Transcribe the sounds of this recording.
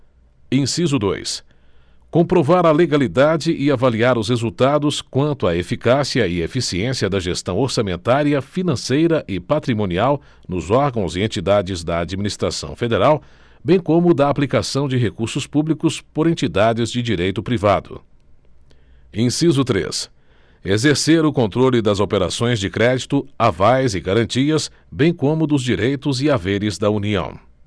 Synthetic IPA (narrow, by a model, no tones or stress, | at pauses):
ẽsizʊd̪o̰js | kõpɾovaɾɐleɡalid̪ad͡ʒɪʔɪavaliaɾʊshezuwt̪ad̪ʊskwɐ̃nt̪ʊaefikasiɐɪefisiẽsiɐd̪ɐʒest̪ɐ̃w̃oɾsamẽnt̪aɾiɐfinɐ̃sejɾɐʔɪpat̪ɾimõniaw | nʊzɔɾɡɐ̃w̃zɪẽnt͡ʃid̪ad͡ʒɪzd̪ɐad͡ʒiminist̪ɾa̰sɐ̰̃w̃fed̪eɾaw | bẽj̃kõmʊd̪ɐːplikasɐ̃w̃d͡ʒɪɦekuɾsʊspublikʊspoɾẽnt͡ʃid̪ad͡ʒɪzd͡ʒɪd͡ʒiɾejt̪ʊpɾivad̪ʊ̰ | ẽsizʊt̪ɾḛs | ezeɾseɾʊkõnt̪ɾolɪd̪ɐzopeɾa̰sõj̃zd͡ʒɪkɾɛd͡ʒit̪ʊavajzɪɡaɾɐ̃nt͡ʃiɐs | bẽj̃kõmʊd̪ʊzd͡ʒiɾejt̪ʊzɪaveɾɪzd̪ɐuniɐ̰̃w̃